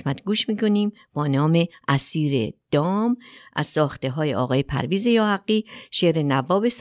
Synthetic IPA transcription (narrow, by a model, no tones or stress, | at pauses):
smæt̪ʰɡuːʃmiːkʰo̞niːm | b̥ɒːnɒːmeʔæsiːɾḛd̪̥ɒːmʔæ̰z̥sɒːxt̪eɦɒːjeʔɒ̰ːɣɒːjepʰæ̰ɾviːzejɒːhæɡːiːʃeːɾenævːɒːbes